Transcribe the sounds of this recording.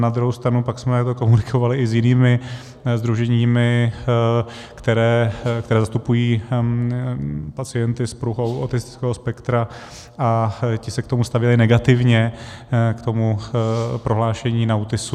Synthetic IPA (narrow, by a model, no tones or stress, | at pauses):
nad̪ɾuɦowst̪ɾanupaksmɛt̪aɡt̪oko̞munɪkʰo̞valɪʔɪzjɪniːmɪ | zd̪ɾuʒɛɲiːmɪ | kt̪ɛɾɛːkt̪ɛɾɛːzast̪upujiː | pat͡sɪjɛnt̪ɪspɾuɦowʔa̰t̪ɪst̪ɪ̥t͡skɛːɦospɛkt̪ɾa | ʔacɪsɛk̚t̪o̞must̪avjɛlɪnɛɡat̪ɪvɲɛ | kt̪o̞mupɾo̞ɦlaːʃɛɲiːnaut̪ɪsu